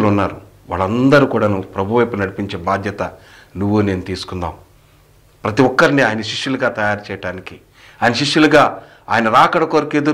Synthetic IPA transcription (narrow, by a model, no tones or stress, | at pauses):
lunːaːɾuʋa̰ːɭːɐnd̪ɐɾukuːɽaːnupɾɐbʱuʋɐjpunɐɽipiɲt͡ʃe̞ːbaːd̪ʱjɐt̪ɐnuʋːune̞ːnut̪iːsu̥kund̪a̰ːm | pɾɐt̪iʋɔkːɐɾiniaːjɐnɐʃiʂjuluɡaːt̪ɐjaːɾt͡ʃɛjɐɽaːniki | aːjɐnɐʃiʂjuluɡaː | aːjɐnɐɾaːkɐɽɐkoɾikeːd̪u